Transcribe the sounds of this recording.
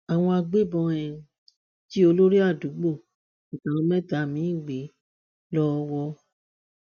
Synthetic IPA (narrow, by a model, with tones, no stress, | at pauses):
a˨w̃ɔ̃˧a˧ɡ͡be˦bɔ̃˧ɛ̃˧ | ti˦o˧lo˦ɾi˦a˦˨du˨˦ɡ͡bõ˦˨ | tã˨ɔ̃˧˦mɛ̃˦ta˧˦˨mĩ˨˦˨ɡ͡be˨˦ | lɔ˦˧wɔ˧